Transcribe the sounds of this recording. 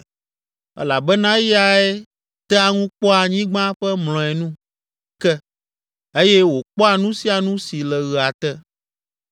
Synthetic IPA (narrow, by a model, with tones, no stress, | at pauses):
ɛ̰˦la˨bɛ˦nã˦ja˦e˦ | t̪ɛ˦a˦ŋũ˦k͡pɔ˦a˨ɲĩ˦ɡ͡bã˦ɸɛ˦ml̃ɔ̃˨ɛ˨nũ˦ | kɛ˦ | e˦jɛ˦wo˨k͡pɔ˦a˨nũ˦si˦a˨nũ˦si˨lɛ˨ɣə˨a˨t̪ɛ˦